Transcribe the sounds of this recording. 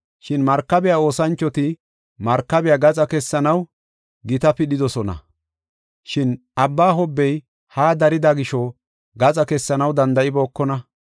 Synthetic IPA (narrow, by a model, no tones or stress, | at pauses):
ʃɪnmɐɾkːɐbɛjao̞ːsɐnt͡ʃːɔt̪ɪ | mɐɾkːɐbɪjaːɡɐt͡sʼɐkɛsːɐnɐw | ɡɪt̪ɐpɪɗɪd̪ɔsɔnɐ̰ | ʃɪnʔɐbːaːɦɔbːɛj | haːd̪ɐɾɪd̪aɡɪʃɔ | ɡɐt͡sʼɐkɛsːɐnɐwd̪ɐnd̪ɐʔɪbo̞ːkːɔnɐ